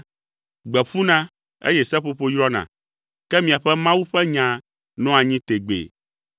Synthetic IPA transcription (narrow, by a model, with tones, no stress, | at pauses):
ɡ͡bɛ˨ɸu˦nã˦ | ḛ˦jɛ˦sɛ˦ɸo˦ɸo˦jɾɔ˦nã̰˨ | kɛ˦mĩ˨a˨ɸɛ˦mã˦wu˦ɸɛ˦ɲã˨ | nɔ̃˦a˨ɲĩ˦t̪e˨ɡ͡bḛ˨